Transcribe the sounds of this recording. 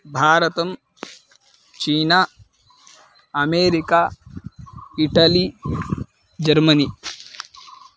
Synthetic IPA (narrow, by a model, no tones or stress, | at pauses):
bʱaːɾɐt̪ɐm | t͡ʃiːna | ɐmeːɾikaː | iʈɐli | d͡ʒɐɾmɐni